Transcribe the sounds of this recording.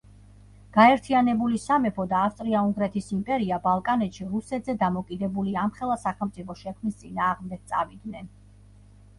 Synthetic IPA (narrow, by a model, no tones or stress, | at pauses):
ɡ̥aɛɾt̪ʰianɛbulisamɛpʰɔd̪aːfst̪ʼɾiauŋɡɾɛt̪ʰisimpʼɛɾiabalˠkʼanɛt̪ʃiɾusɛt̪ʰzɛd̪amɔkʼid̪ɛbuliamχɛlˠasaχɛlˠmt̪sʼipʰɔʃɛkʰmist̪sʼinaːʁmd̪ɛɡ̥̚t̪sʼa̰vid̪nɛn